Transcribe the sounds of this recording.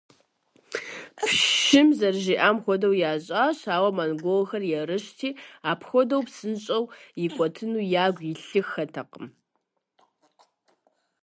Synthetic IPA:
pʃɪmzɐrʑiːʔaːmxʷɔdɐwjaːʑʼaːɕaːwɐmanɡʷolxɐrjɛrɨɕtʰiːaːpʰxʷɔdɐwpsɨnɕʼɐwjikʷʼɔtʰɨnuːjaːɡʷjiɬɨxːɐtʰɐqəm

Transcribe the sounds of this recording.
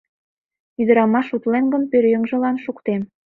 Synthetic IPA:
yd̪ə̆ɾɑmɑʃut̪lenɡə̆npøɾjəŋʒə̆lɑnʃukt̪em

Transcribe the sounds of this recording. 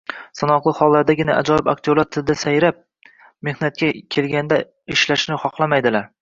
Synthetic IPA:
sanɒqlˠɨχɒlˠːaɾd̪aɡʲɪnaa̰d͡ʒɒjɪbak̚t̪ʰolaɾt̪ʰɪld̪asajɾap̚ | me̞hnat̪̚kʲʰakʲʰe̞lɡʲand̪a | ɪʃlaʃnɪχɒqlˠamajd̪ɪlaɾ

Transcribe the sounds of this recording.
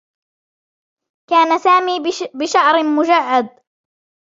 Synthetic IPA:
kaːnasaːmiːbɪʃaʕɾɪmʊd͡ʒaʕːad̪̚

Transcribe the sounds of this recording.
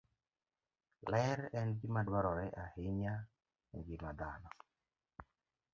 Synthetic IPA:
lɛɾɛnɡɪmadwaɾɔɾɛʔahɪɲa | ŋɡɪmad̪a̰nɔ

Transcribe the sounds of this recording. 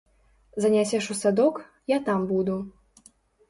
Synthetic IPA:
zɐnʲasʲɛʂusad̪ɔk | jat̪ambud̪u

